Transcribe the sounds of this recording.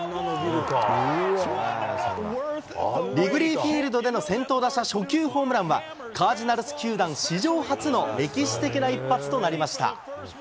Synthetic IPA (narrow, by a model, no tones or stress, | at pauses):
ɾʲiɡɯ̟ɾʲiːɸʲiːɾɯ̟d̪o̞d̪e̞no̞sẽ̞nt̪o̞ːd̪aɕaɕo̞kʲɨːho̞ːmɯɾãɰ̃βa̰ | kʰaːʑinaɾɯsɨ̥kʲɨːd̪ãɰ̃ɕiʑo̞ːhat͡sɨno̞ɾʲe̞kʲiɕi̥t̪e̞kʲinaipːat͡sɨ̥t̪o̞naɾʲimaɕi̥t̪a̰